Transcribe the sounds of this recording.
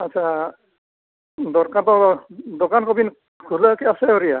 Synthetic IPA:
atːsʰa | dɔɹkantɔɔdokankobin | kʰulɔakɛasɛoɹija

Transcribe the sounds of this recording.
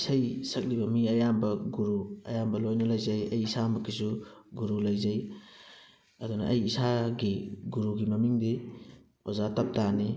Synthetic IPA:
sajsɐk̚libɐmiɐjambɐɡuɾuɐ̰jambɐlojnɐlɐjzajɐjisamɐkisuɡuɾulɐjzaj | ɐdunɐʔɐjːsaɡiɡuɾuɡimɐmiŋdi | ozatɐp̚dani

